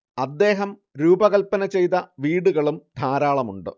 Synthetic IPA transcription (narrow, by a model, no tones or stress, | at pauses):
ɐd̪ːe̞ːɦɐm | ɾuːbɐɣɐlpːɐnɐt͡ɕe̞jt̪ɐʋiːɽuɣɐɭumd̪ʱaːɾaːɭɐmuɳɖɨ̰